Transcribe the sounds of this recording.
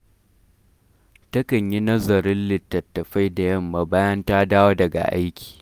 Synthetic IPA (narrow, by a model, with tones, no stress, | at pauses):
tɐ˦kɐ˨ɲji˦nɐ˦zɐ˨ɾɪ˦nlɪ˨tːɐ˨tːɐ˨ɸa˦jda˨jɐ˦mːaː˨baː˦jɐ˦ntaː˦daː˦woː˦dɐ˨ɡa̰˨ʔa̰˦jkʲi̥ː˨